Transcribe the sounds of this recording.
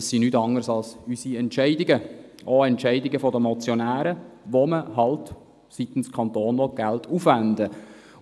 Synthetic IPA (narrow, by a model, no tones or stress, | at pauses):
əsːinytɑŋəɾsɑlsysiɛntt͡ʃɛɪdɪɡəʔoɛntʃɛɪdɪɡəfɔdəmɔt͡sjɔnæːɾəʋoməɦɑlt | sit̪ən̩skʰɑnt̪oːnnɔɡ̥æltʰufʋænd̪ə